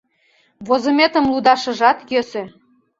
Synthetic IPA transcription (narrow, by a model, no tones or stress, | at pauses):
βozə̆met̪ə̆mlud̪ɑʃə̆ʒɑt̪jøsø